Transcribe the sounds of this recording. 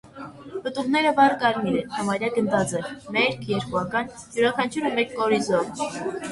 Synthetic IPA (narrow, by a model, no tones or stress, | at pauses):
pət̪uʁnɛɾəvɑɾkɑɾmiɾɛnhɑmɑɾjɑɡənd̪ɑt͡sɛmɛɾkʰjɛɾkuɑkɑn | juɾɑkʰɑnt͡ʃʰuɾəmɛkːɔɾizɔv